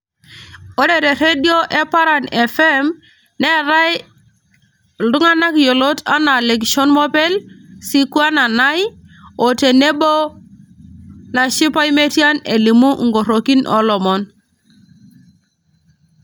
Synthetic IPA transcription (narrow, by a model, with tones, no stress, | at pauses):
o˦ɗe˨ɾe˨ɾe˦di˦o˦ʔe˦pa˦ɾa˨ne˨fe˦m | ne˦ɾa˦j | lu˦ŋa˦na˦kjo˨lo˦ta˦na˨le˨ɡʃɔ˦nmɔ˦pe˦lsi˦ku˦a˦na˨na˦jo˨te˨ne˦bo˦ | na˨ʃi˦pa˦i˦me˦ti˦a˦ne˨li˨mu˦ŋɡo˨ɾo˨ki˦nʔɔ̰˦lɔ˨mɔ˦n